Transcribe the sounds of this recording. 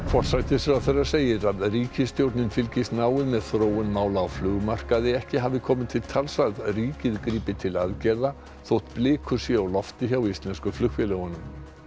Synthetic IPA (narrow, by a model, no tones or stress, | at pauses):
fɔr̥sajt̪ɪsawθɛrːaseːjɪɾaðriːcɪst̪jowɾt̪nɪnfɪlcɪst̪naːwɪðmɛðθɾoːwʏnmaːwlaːwflʏːɣmar̥kaðɪɛhcɪɦaːvɪkʰɔːmɪðt̪ʰɪlt̪ʰalsaɣðriːcɪðkɾiːpɪt̪ʰɪlaðcɛɾða | θowht̪plɪːkʰʏsjɛawlɔft̪ɪçawist̪lɛnskʏflʏxvɛlɛɣʏnʏm